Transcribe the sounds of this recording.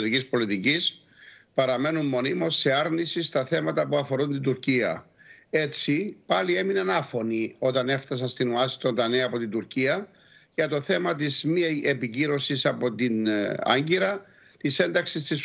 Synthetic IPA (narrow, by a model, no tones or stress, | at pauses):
ɾicispo̞lit̪icis | pɐɾɐme̞numːo̞nimo̞sːe̞ɐɾnisist̪ɐθe̞mɐt̪ɐpuɐfo̞ɾunt̪ind̪uɾciɐ | e̞t͡sipɐlie̞minenɐfo̞nio̞t̪ɐne̞ft̪ɐs̬ɐnst̪inoɐsi̥t̪o̞nd̪ɐneɐpo̞t̪ind̪uɾciɐ | ʝɐt̪o̞θe̞mɐt̪̬izmiepiciɾo̞sisɐpo̞t̪inɐ̰ɲɟiɾɐ | t̪ise̞nd̪ɐksist̪is